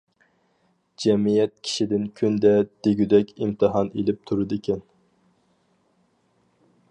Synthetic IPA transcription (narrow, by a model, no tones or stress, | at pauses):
d͡ʒɛmijɛt̪̚kʲʰi̥ʃid̪ɪnkʲʰynd̪ɛd̪̥eɡʲyd̪ɛkʲimt̪ʰɨɦɑnelɪp̚t̪ʰuɾɨd̪ɨkʲʰɛn